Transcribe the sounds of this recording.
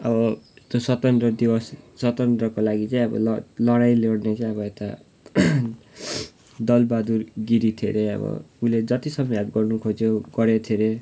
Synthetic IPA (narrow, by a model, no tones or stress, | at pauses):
ʌbʌst̪osʌt̪ʌnd̪rʌd̪ibʌsːʌt̪ʌnd̪rʌkolaɡit͡saĩʌbʌ̰llʌɽajleɽnet͡saĩʌβʌet̪a | d̪ʌlbad̪urɡiɾit̪ʰeɾeʌ̰bʌ̰uled͡zʌt̪isʌmʌjabɡʌrnukʰod͡zjoɡʌɾet̪ʰeɾe